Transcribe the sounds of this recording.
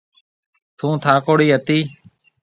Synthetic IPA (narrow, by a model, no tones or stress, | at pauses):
t̪ʰũːt̪ʰaːkoːɽiːɦət̪iː